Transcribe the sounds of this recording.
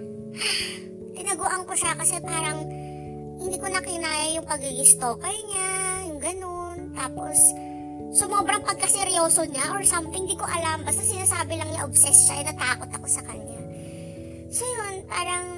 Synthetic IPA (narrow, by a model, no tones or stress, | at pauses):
ʔa | ʔɪnɐɡʊʔɐŋkoʃakɐsɛpaːɾɐŋ | hɪnd̪iːkonɐkɪnaːjɐjʊŋpɐɡɪɡɪst̪oːkɐjɲajʊŋɡɐno̞nt̪aːpo̞sː | ʊmoːbɾɐŋpɐɡ̚kːɐsɛɾjo̞ːsoɲaʔoɹsamhɪnd̪iːko̞ʔɐlambɐst̪asɪnaːsaːbɪlɐŋɲaʔobsɛsʃaʔɛnɐt̪aːko̞t̪ɐko̞sɐkɐɲɲa | sojonpaːɾɐŋ